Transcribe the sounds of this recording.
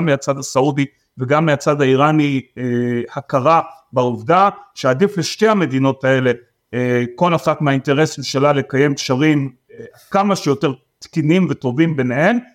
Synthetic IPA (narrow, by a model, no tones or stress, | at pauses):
mːeat͡sad̪asaudi | veɡamːiat͡sadaiʁaniehakaʁabauvdaʃeadifleʃte̞jhame̞dino̞tae̞le̞ | ko̞laχatmeainteʁe̞smʃalale̞kaje̞mkʃaʁim | kamaʃejo̞te̞ʁ | t̪kinimveto̞vimbe̞nehe̞m